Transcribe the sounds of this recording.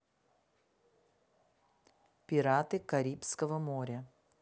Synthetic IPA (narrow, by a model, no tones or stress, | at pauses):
pʲɪɾat̪ɨkɐɾʲipskəvɐmoɾʲɐ